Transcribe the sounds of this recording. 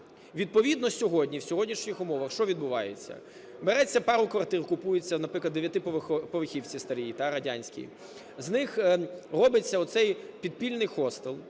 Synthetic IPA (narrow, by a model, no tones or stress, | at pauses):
ʋʲid̪̚pɔʋʲid̪nɔsʲɔɦɔdʲnʲiwsʲɔɦɔdʲnʲiʃnʲixʊmɔʋɐxʃt͡ʃɔʋʲid̪̚bʊʋɑjḛt͡sʲːɐ̰ | beɾɛt͡sʲːɐpɑɾʊkʋɐrt̪ɪrkʊpujet͡sʲːɐnɐpɾɪklˠɐd̪ːeʋʲjɐt̪ɪppɔʋɪxʲiwt͡sʲist̪ɐɾʲijit̪ɑɾɐdʲanʲsʲkʲḭ | znɪxrɔbɪt͡sʲːɐɔt̪sɛjpʲid̪̚pʲilʲnɪjxɔst̪elˠ